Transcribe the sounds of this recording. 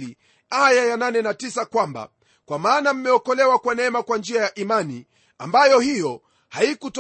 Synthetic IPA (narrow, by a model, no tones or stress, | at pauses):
li | ajajananɛnatisakwamba̰ | kwamaːnam̩mɛɔkɔlɛwakwanɛɛmakwand͡ʒiajaʔimani | ambajɔhijɔ | haikut